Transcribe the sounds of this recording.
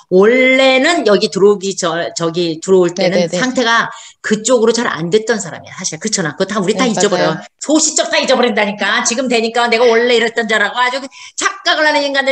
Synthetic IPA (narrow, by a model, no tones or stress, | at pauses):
wʌɭːe̞nɯnjʌɡitɯɾʌɡid͡ʑʌt͡ɕʌɡitɯɾʌoɭt͈e̞nɯnsʰaŋtʰe̞ɡa | kɯt͡ɕ͈oɡɯɾot͡ɕaɾa̰ndwe̞t̚t͈ʌnsʰaɾa̰mḭja̰sʰaɕʰiɡakɯt͡ɕʰʌnakɯɡʌtʰauɾitaid͡ʑʌbʌɾjosʰoɕʰi̥t͡ɕ͈ʌk̚t͈aid͡ʑʌbʌɾindaɲik͈at͡ɕiɡɯmtwe̞ɲik͈ane̞ɡawʌɭːe̞iɾʌt̚t͈ʌnd͡ʑaɾaɡohad͡ʑut͡ɕʰak̚k͈aɡɯɭːanɯniŋɡandɯ